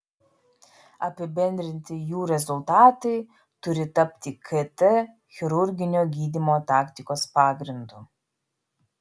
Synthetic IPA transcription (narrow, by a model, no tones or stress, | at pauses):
ɐpʲɪbʲɛnʲd̪ʲɾʲɪnʲt̪ʲɪjuːɾʲɛzʊlˠt̪ɑːt̪ɐɪ | t̪ʊɾʲɪt̪ɐpʲt̪ʲiːkʰɛt̪ɛ | xʲɪɾʊɾʲɡʲɪnʲoːɡʲiːd̪ʲimoːt̪ɑːkt̪ʲɪkoːspɑːɡɾʲɪnd̪uː